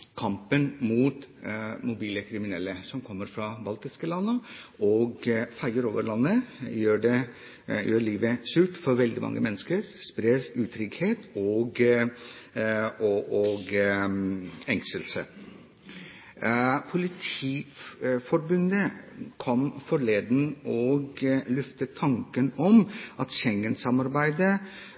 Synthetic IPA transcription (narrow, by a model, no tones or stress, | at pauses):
kʰɑmpənmuːt̪mʊbiːləkʰɾɪmɪnɛlːəsɔmkʰɔmːəɾfɾɑbɑlt̪ɪskəlɑnːəʔoːɡfæɪəɾoːʋəɾɭɑnːəjøːɖɛ | jøːɭiːʋəsʉːʈfɔɾʋɛld̪ɪmɑ̰ŋːʔə̰mɛnːəskəɾspɾeɾʉːt̪ʰɾʏɡheːt̪ɔːɡ | oʔoɡ | ɛŋsəlsə̰ | pʰʊlɪt̪ʰiːfɔɾbʉnd̪əkʰɔmfɔɾɭeːd̪nɔːɡlʉft̪ət̪ʰːɑŋkənɔmʔɑt̪ɕɛŋːənsɑmɑɾbæɪd̪ə